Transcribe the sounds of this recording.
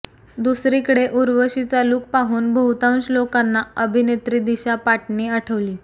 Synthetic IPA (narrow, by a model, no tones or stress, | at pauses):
d̪usɾikəɽeʔuɾʋəɕit͡saluːk̚paɦuːnbʱəɦut̪ãwnt͡ɕlokanːaəbʱinet̪ɾiːd̪iɕapaʈniːaʈʰəʋliː